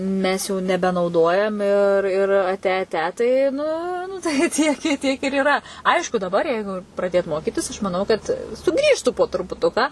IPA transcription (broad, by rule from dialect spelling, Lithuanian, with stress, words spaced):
ˈmʲɛs jɛʊ nʲɛbʲɛnɐʊˈdoːjɛm ɪr ˈɪr ɐˈtʲɛ ɐˈtʲɛ tɐɪ ˈnʊ nʊ tɐɪ ˈtʲiɛk ɪ ˈtʲiɛk ɪr iːˈrɐ ˈɐɪʃkʊ dɐˈbɐr ˈjɛɪɡʊ prɐˈdʲeːt ˈmoːkʲɪtʲɪs ɐʃ mɐˈnɐʊ kɐt sʊˈɡrʲiːʃtuː poː trʊpʊˈtʊkɑː